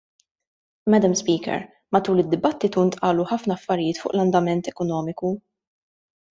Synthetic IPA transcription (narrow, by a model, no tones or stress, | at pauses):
mɛd̪ɐmspiːkɛ̰ɾ | mɐt̪uːlɪd̪ːɪbɐt̪ːɪt̪unt̪ʼʔɐːluħɐfnɐːfːɐɾɪjɪːt̪fʊ̰ːʔlɐnd̪ɐmɛnt̪ɛkɔnɔːmɪku